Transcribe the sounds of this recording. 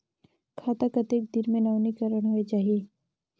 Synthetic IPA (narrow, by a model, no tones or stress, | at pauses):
kʰaːt̪akɐt̪eːk̚d̪ɪɾmẽnaʊnikəɾəɽ̃ɦoed͡ʒaːɦieː